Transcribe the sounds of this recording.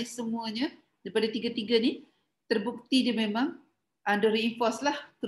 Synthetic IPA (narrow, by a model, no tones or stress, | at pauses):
isəmuəɲə | daipadat̪iɡat̪iɡani | t̪ərbuk̚t̪idamemãŋ | ʔandoɾiːnfɔslahk̪ə